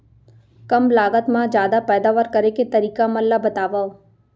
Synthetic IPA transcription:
kɐmlaːɡət̪mãd͡ʒjaːd̪apɛːd̪aːʋəɾkɐɾeket̪ɐɾiːkamɐlːabɐt̪aːʋao

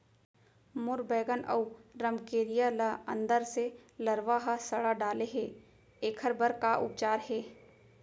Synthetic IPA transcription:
mʊɾbɛːɡənʔə̰uɾɐmkeːɾijalaə̰̃nd̪əɾselɐɾʋaːɦasɐɽaɖaːleɦeː | eːkʰəɾbəɾkaʔʊ̰p̚t͡ʃaːɾɦɛː

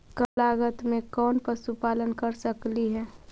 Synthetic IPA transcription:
kəlaːɡət̪mẽkɔːnpəsupaːlənkəɾsəkliɦɛː

